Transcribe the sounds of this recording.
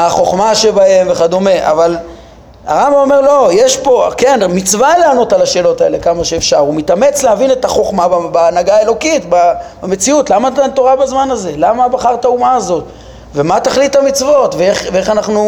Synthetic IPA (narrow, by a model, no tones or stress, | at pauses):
aχo̞χmaʃe̞bahe̞mveχad̪o̞me̞ʔa̰val | aʁambaome̞ʁlo̞jeʃpo̞kenmit͡svaleano̞t̪alaʃe̞ːlo̞t̪ae̞̰le̞kamaʃe̞ːfʃaʁumit̪ame̞t͡slehavinet̪aχo̞χmabbaːnaɡaelo̞kitbabamet͡siutlamatat̪oʁabazmanaze̞lamabaχaʁtaumaːzo̞t | ve̞mat̪aχlitamit͡svo̞tveeχveeχanaχnu